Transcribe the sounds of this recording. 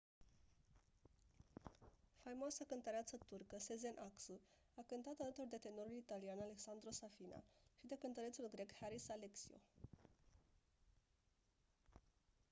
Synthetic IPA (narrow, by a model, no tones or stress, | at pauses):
fajmoasəkɨnt̪əɾeat̪sət̪urkəseze̞nʔaksu | akɨnt̪at̪alət̪urd̪e̞t̪e̞no̞ɾulit̪alianale̞ksand̪ɾo̞safina̰ʃid̪e̞kɨnt̪əɾe̞t̪sulɡɾe̞khaɾisaleksio̰